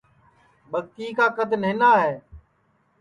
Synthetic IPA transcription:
ɓəɡ̚t̪iːkaːkəd̪nɦɪnaːɦɛː

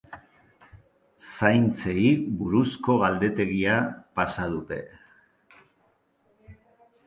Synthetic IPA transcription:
sajnt͡se̞iβuɾusko̞ɣald̪e̞t̪e̞ɣiapasað̞ut̪e̞

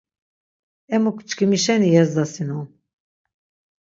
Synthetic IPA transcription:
ɛmukʰt͡ʃkʰimiʃɛnijɛzd̪asinɔn

